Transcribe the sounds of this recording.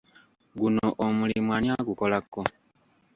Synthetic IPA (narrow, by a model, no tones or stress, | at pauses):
ɡunoʔomulimwaɲjaɡuko̞lakːo